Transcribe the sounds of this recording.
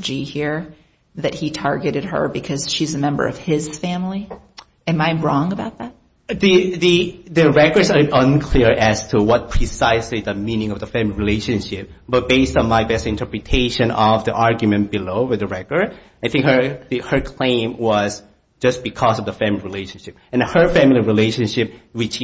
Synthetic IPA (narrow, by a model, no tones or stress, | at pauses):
d͡ʒihiɹ | ðɨt̚hitʰɑɹɡɨɾɨd̚ə̰˞bɨkʰʌz̥ʃizɨmɛ̃mbə̰˞ʌ̰v̥ɪz̥fæ̃mli | ɨ̃mãɪmɹɔ̃ŋəbaʊt̪̚ðæt̚ | ðiðiðɨɹɛkə˞dsəə̃nkʰl̥iɹɨz̥tʰuwʌt̚pʰɹ̥isaɪsliðəmĩnɪ̃ŋʌvðəfæ̃mliɹileɪʃɨ̃nʃɪp̚ | b̥ʌt̚b̥eɪstn̩maɪbɛstɨ̃ɪ̃ntʰə˞pɹɨtʰeɪʃɨ̃nʌvðḭʔɑɹɡjmɨ̃nb̥ɨloʊwɨðɨɹɛkə˞d | aɪθɪ̃ŋkhə˞ðɨhə˞kʰl̥ẽɪ̃mwʌz | d͡ʒʌsb̥ɨkʰɔzʌvðəfæ̃mlˠiɹileɪʃnʃɪp̚ɨ̃nhə˞fæ̃mlˠiɹileɪʃɨ̃nʃɪp̚wɪt͡ʃ